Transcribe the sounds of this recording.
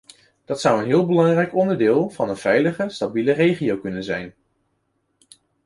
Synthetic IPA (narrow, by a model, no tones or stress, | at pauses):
d̥ɑtsʌwənɦɪːlˠbəlɑŋrɛjkɔndəɹdɪːlˠvɑnənv̥ɛjləχəstabilərejχijowkɵnənzɛjn